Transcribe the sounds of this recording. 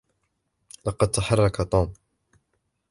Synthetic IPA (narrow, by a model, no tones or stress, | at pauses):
lɑqɑd̪̚t̪aħɑrˤːɑkat̪ˤuːm